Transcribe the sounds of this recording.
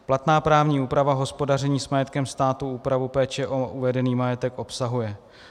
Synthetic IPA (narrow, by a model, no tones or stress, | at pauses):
plat̪naːpɾaːvɲiːuːpɾavaɦo̞spo̞darɛɲiːsmajɛt̪kɛmst̪aːt̪uuːpɾavupɛːt͡ʃɛʔoʔuvɛdɛniːmajɛt̪ɛkʔo̞psaɦujɛ